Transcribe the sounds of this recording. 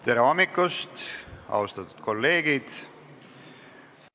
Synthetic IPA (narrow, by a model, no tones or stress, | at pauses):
t̪e̞ɾeɑmːikːust̪ɑ̰ust̪ɑt̪ːu̥d̪̥ko̞lːe̞ːɡ̥id̪̥